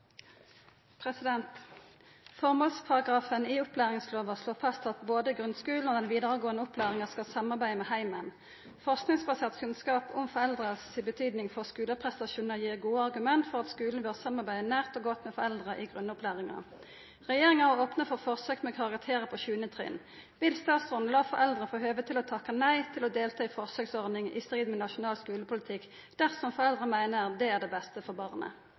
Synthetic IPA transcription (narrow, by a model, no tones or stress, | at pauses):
pʰʁɛsɪd̪ɛnt̪ | fɔʁmoːlspʰɑʁɑɡʁɑːfəniːʊplæːʁɪŋsloːʋəsloːfɑst̪ʰɑt̪boːd̪əɡʁʉnskʉːln̩oːd̪ɛnʋiːd̪əʁəɡoːənəʊplæːʁɪŋəskɑlsɑmɑʁbæɪəmɛːhæɪmən | fɔʁsknɪŋsbɑseːʁt̪kʰʉnskɑːpʰʊmfɔʁɛld̪ʁəssiːbət̪ʰyːd̪nɪŋfɔʁskʉːləpʰʁɛst̪ɑʃuːnəʁjiːʁɡuːəɑʁɡʉmɛnt̪fɔʁɑt̪skʉːln̩bøʁsɑmɑʁbæɪd̪ənæːʁt̪oːɡɔt̪mɛːfɔʁɛld̪ʁəʔiːɡʁʉnːʊplæːʁɪŋɑ̰ | ʁɛjeːʁɪŋɑhɑoːpnəfɔʁfɔʁsøːkmɛokʰɑʁɑkt̪ʰeːʁəpʰɔʃʉːnət̪ʰʁḭːən | ʋɪlst̪ɑːt̪sʁʊn̩lɑːfɔʁɛld̪ʁəfoːɦøːʋət̪ʰɪlɔt̪ʰɑkːɑnæɪt̪ʰɪlɔd̪eːlt̪ʰɑːifɔʁsøːksɔʁd̪ɪŋḭst̪ʁiːd̪mɛnɑʃʊnɑːlskʉːləpʰʊlɪt̪ʰɪk | d̪̥æʁsɔmfɔʁɛld̪ʁəmæɪnəʁd̪ɛæʁd̪ɛbɛst̪əfɔʁbɑʁnə̰